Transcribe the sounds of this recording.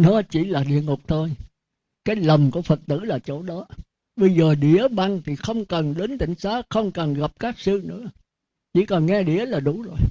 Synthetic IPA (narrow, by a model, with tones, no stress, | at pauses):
nɔ˨˦t͡ɕi˧˩laː˨˩ɗḭ˧əŋʊ˨˩k͡p̚t̪ʰo˧j | kaː˨˦jlə˨˩ŋ͡mku˧˩əfə˨˩t̚t̪ɨ̰˧˩laː˨˩t͡ɕo̰˧˩ɗɔ˨˦ | ɓə˧jzəː˨˩ɗi˧˨˦əɓa˧ŋt̪ʰi˨˩xə˧wŋ͡mkə˨˩nɗe˨˦nt̪ï˧˨ŋ̟saː˨˦˥xə˧wŋ͡mkə˨˩nɣa˨˩p̚kaː˦˥k̚sɨ˧nɨ̰˧˥ə | t͡ɕḭ˧˩kɔ˨˩nŋɛ˧ɗḭ˧˩˨əlaː˨˩ɗu˧˩˦zo˨˩j